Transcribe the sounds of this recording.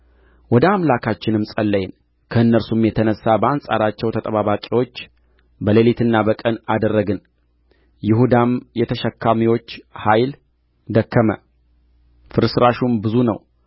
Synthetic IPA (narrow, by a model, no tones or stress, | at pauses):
wɔd̪əamlakʰat͡ʃːɪnɨmsʼəlːəjɪn | kʰəɨnːəɾsumjɛt̪ʰənəsːabəansʼa̰ɾat͡ʃːɛwt̪ʰət̪ʼəβaβakʼiwo̞t͡ʃː | bəlelit̪ʰɨnːabəkʼənad̪ərːəɡɨn | jɪhud̪amjɛt̪ʰəʃəkʰːamiwo̞t͡ʃːhajl | d̪əkːəmə̰ | fɨɾsɨɾaʃumbɨzunəw